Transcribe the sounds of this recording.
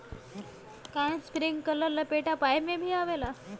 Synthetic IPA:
kãj̃spɾiŋɡkələɾlapeʈapajemebʱiːaʋela

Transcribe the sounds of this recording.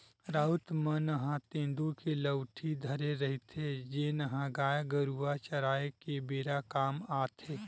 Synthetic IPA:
ɾaːʊt̪mənəɦãt̪ẽːnd̪ukeləwʈʰid̪ʱɐɾeɾɐɦɪt̪ɦed͡ʒenɐɦãɡaːjɡəɾuat͡ʃɐɾaːekebeːɾakaːmaːt̪ʰeː

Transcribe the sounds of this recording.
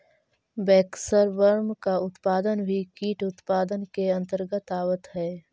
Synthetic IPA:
bɛːksəɾʋəɾmkaʊt̪paːd̪ənbʱikiːʈʊt̪paːd̪ənkeɐ̃nt̪əɾɡət̪aːwət̪ɦɛː

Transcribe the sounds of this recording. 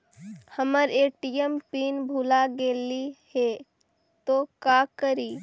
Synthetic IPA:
həməɾeːʈijəmpiːnbʱulaɡeːlihe | t̪okakəɾiː

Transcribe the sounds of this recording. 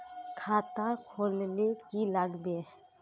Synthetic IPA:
kʰaːt̪akʰoːlnekilaɡbe

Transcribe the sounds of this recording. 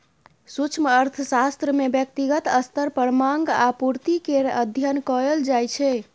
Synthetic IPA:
sut͡ʃʰməɾt̪ʰəsast̪ɾəmebjək̚t̪iɡət̪əst̪əɾpəɾmaŋɡa̰puɾt̪ikeɾə̰d̪ʱjənkɔəld͡ʒajt͡ʃʰɛ

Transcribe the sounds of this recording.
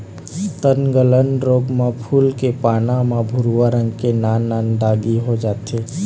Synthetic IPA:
t̪ənɡələnɾoːɡmẽpʰuːlkepaːnãmãbʱʊɾuwaɾə̃ŋɡkenaːnːaːnd̪aːɡiɦod͡ʒaːt̪eː

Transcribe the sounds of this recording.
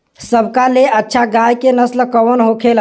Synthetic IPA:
səbʱkaleʔətːʃʰaɡajkenəslkəwənɦokʰel

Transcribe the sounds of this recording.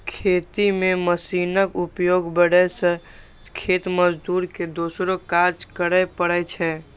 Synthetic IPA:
kʰeːt̪imeməsinəkupjoɡbəɽɛsə̃ | kʰet̪məd͡ʒd̪uɾked̪osɾokad͡ʒkəɾəpəɽɛt͡ʃʰɛ

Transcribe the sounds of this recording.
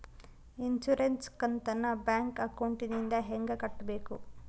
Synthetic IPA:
int͡ʃuɾenskɐnt̪ɐnːɐbjaːŋkɐkɐwɳʈinind̪ɐɦeŋɡɐkɐʈːɐbeːku

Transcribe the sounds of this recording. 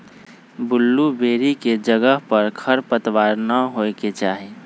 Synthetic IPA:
bʊlːubeːɾiked͡ʒəɡəɦpəɾkʰəɾpət̪ʋaːɾnaɦoeket͡ʃaːɦi

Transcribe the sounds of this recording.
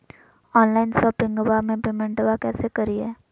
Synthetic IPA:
ɔːnlaːɪnsɔːpɪ̃ŋɡəbamẽpeːmɛ̃ɳʈbakɛːsekɐɾiɦɛː

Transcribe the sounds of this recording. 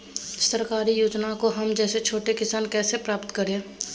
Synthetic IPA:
səɾkaːɾijoːd͡ʒnakoɦɐmd͡ʒɛːset͡ʃʰoːʈekɪsaːnkɛːsepɾaːpt̪kəɾẽː

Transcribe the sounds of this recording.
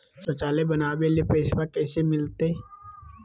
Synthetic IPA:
sot͡ʃaːlebənaːbelepeːsʋakɛːsemɪlt̪e

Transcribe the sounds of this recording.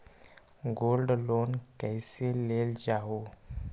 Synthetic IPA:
ɡolɖlonkəjseleld͡ʒao

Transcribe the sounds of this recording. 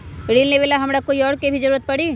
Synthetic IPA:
ɽiːlneʋeːlaɦɐmɾakoːiɔːɾkebʱid͡ʒɐɾuːɾət̪̚pɐɽiː

